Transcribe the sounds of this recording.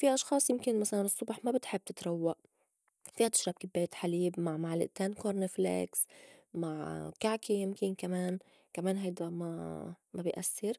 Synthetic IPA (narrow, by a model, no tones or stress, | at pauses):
fiʔɑʃxɑːsˤjɪmkɪnmasalanɨsˤːʊbħmabɪt̪ħɪbːt̪ɪt̪ɾˤɑwːaʔ | fiːhat̪ɪ̥ʃɾaːb̚kɪbːeːt̪ħaliːbmaʕmaʕlɪ̰ʔt̪eːnkoɾnɪflḛksmaʕkaʕkijɪmkɪnkameːn | kameːnɦajd̪ama̰mabɪjʔasːɪɾ